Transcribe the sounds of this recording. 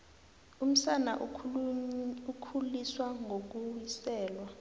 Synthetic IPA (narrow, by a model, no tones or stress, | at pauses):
um̩sanaʔ | ukʰuliswaŋok̬uwisɛːlwa